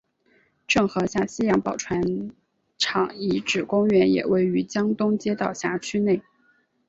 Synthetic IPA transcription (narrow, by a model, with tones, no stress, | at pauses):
ʈ͡ʂɤ˥˩ŋxɤ˧˥ɕja˥˩ɕi˥jɑ˧˥ŋpɑ˨˩ʊʈ͡ʂʰwa˧˥n | ʈ͡ʂʰɑ˨˩ŋi˧˥ʈ͡ʂɻ̩˨˩kʊ˥ŋɥɛ˧˥njɛ̰˨˩wʔe˥˩ɪy˧˥t͡ɕjɑ˥ŋt̪ʊ˥ŋt͡ɕjɛ˥t̪ɑ˥˩ʊɕja˧˥t͡ɕʰy˥ne˥˩ɪ